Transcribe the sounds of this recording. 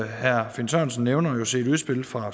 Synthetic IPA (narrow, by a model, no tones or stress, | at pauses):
hæɐ̰finsɒnsən̩ːeʊnɐjo̝se̝ɾuðˠsb̥e̝lfʁɑ̈